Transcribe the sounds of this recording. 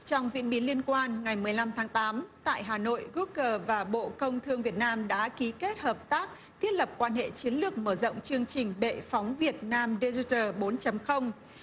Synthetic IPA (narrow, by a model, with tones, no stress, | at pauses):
t͡ɕɔ˧wŋ͡mzḭ˧˥ənɓi˨˦nli˧ənkwaː˧nŋa˨˩jmɨ˨˩əjla˧mt̪ʰaː˨˦ŋt̪aː˨˦mt̪a̰ː˧˨jɦaː˨˩no̰˧˨jɣu˦˥kəː˧˩vaː˨˩ɓo̰˧˨kə˧wŋ͡mt̪ʰɨ˧əŋvi˨˩ət̚naː˧mɗa̰ː˧˥ki˨˦ke˦˥t̚həː˨˩p̚t̪aː˦˥k̚ | t̪ʰi˦˥ət̚lə˨˩p̚kwaː˧nhḛ˧˨t͡ɕi˨˦ənlɨ˨˩ək̚məː˧˩zo̰˧˨wŋ͡mt͡ɕɨ˧əŋt͡ɕï˨˩ŋ̟ɓḛ˧˨fɔ˨˦wŋ͡mvi˨˩ət̚naː˧mɗe˧zi˧˥təː˨˩ɓo˨˦nt͡ɕə˨˦mxə˧wŋ͡m